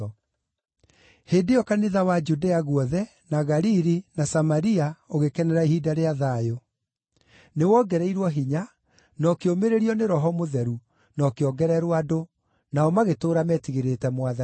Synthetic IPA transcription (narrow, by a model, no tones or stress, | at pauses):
heːdeɔkaniðawad͡ʒudeaɣwɔðɛ | naɣaɾiɾinasamaɾiaoɣekɛnɛɾaihidaɾeaðajo | newɔːɡɛɾɛiɾwɔɦiɲa | nɔkeomeɾeɾiɔneɾɔɦɔmoðɛɾu | nɔkeɔɡɛɾɛɾwado | naɔmaɣetoːɾamɛtiɣeɾetɛmwaða